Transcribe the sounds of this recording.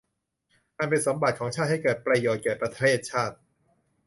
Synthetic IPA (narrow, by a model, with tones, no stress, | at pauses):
ʔa˧npe˧nso˩˦mba˨˩t̪̚kʰɔː˩˦ŋt͡ɕʰaː˥˩ha˥˩jkɤː˨˩t̪̚pɾa˧joː˨˩t̪̚kɛː˨˩pɾa˧t̪ʰeː˥˩t̪̚t͡ɕʰaː˥˩t̪̚